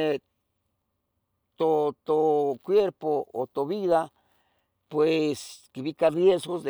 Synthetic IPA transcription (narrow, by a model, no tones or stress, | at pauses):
t̪ot̪okwjeɾpoo̰t̪oβiða | pweskeβikarjesɣosd̪e